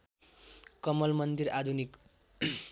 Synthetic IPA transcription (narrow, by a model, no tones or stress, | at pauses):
kʌmʌlmʌnd̪iɾad̪ʱunik